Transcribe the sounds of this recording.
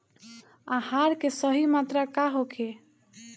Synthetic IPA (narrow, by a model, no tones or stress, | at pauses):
ãhaɾkesəɦimat̪ɾakaɦokʰe